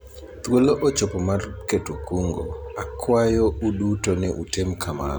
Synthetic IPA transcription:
t̪woloʔot͡ʃopomarketukuŋɡo̰akʰwajoudutonɛʔutemkʰama̰ɾ

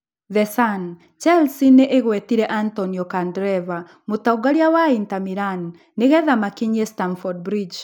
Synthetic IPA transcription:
ðɛsan | t͡ʃalsineʔeɣwɛtiɾɛʔantɔniɔkandɾɛva | motauɡaɾiawaintamiɾanː | eɣɛðamakiɲɛstanfɔd̚bɾid͡ʒ

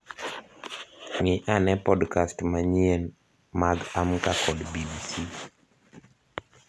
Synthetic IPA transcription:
ŋiʔanɛpɔdkastmaɲien | maɡamkakɔdbibisi

